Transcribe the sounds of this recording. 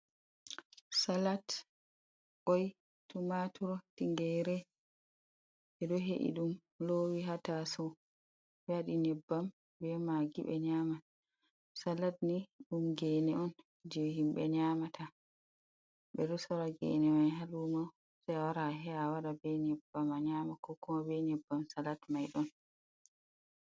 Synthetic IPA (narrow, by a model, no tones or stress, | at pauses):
salat | ʔɔj | tumatʰuɾɔtiŋɡɛjɾɛ | ɛɗɔɦeʔḭɗum | lowiɦatasɔ | waɗinɛbːam | bɛmaɡiɓɛ̰ɲaːma | salat̚niɗumɡɛnɛɔn | d͡ʒehimɓɛɲaːmatʰa | ɓɛɗɔsaɾaɡɛ̰nɛmajɦalumaw | sajwaɾaɦɛawaɗabɛɲɛbːamaɲaːmakɔkːumabɛɲɛbːamsalatmajɗɔn